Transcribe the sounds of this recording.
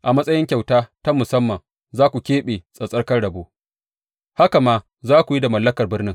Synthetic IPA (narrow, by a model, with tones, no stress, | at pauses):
ʔa˨mɐ˦sʼɐ˦jɪ˦ŋkʲa˨wtaː˦ta˦mʊ˨sɐ˦mːɐ˨ŋ | zaː˦kʷu˨kʲeː˦ɓeː˨sʼɐ˨sʼɐ˦rkɐ˦rɽɐ˨boː˦ | ha˦ka˨maː˦ | zaː˦kʷu˨ji˦da˨mɐ˨lːɐ˦kɐ˨rbɪ˦rnɪ˦ŋ